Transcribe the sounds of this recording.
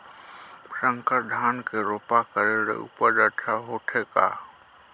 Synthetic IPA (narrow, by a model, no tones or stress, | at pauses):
sə̃ŋkəɾɖ̪ʱaːnkeɾoːpakəɾeɽḛṵpəɗəɾt͡ʃʰaɦoːʈʰeka̰ː